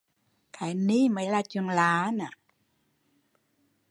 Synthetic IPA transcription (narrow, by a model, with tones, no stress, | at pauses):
kʰa˨˦ni˦˥˨ma˨˦la˧t͡ɕu˧˨nlaː˨˦na˨